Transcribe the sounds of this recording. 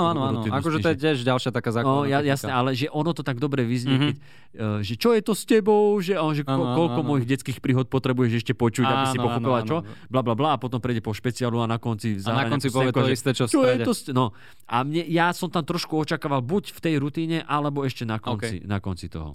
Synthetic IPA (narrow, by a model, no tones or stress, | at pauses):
ɔanaɾuiakɔʒɛɔjɛtɪɛʒɟalʃɪat̪akazaːɔjajasnɛʔalɛʒɛʔɔnɔt̪ɔt̪aɡd̪ɔbɾɛʋizɲɛkɛcː | ʒɛt͡ʃɔjɛt̪ɔscɛbɔʊʒɛaɔɔnʒɛɔkɔlkɔmɔjiɣɟɛt͡skiːxpɾiːɦɔt̪̚pɔt̪ɾɛbujɛʃɛʃcɛpɔt͡ʃuabissipɔxɔpilat͡ʃɔblablablaːpɔt̪ɔmpɾɛjɟɛpɔʃpɛt͡sialuanakɔnt͡sizaːɦnakaɲaɔnt͡ssipɔɛɛkɔist̪ɛt͡ʃɔfst͡ʃɔɾjɛɛɔsnɔ | ʔa̰mɲɛjasɔmt̪amt̪ɾɔʃkuɔt͡ʃakaːʋalbucft̪ɛjɾut̪iːɲɛʔalɛbɔɛʃcɛnakɔnḭnakɔnt͡sit̪ɔ̰ɦɔ̰